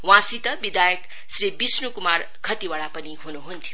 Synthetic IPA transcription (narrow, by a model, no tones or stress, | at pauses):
wãsit̪ʌbid̪ajʌk | sɾibisnukumar | kʰʌt̪iwaɭapʌniɦunuɦunt̪ʰju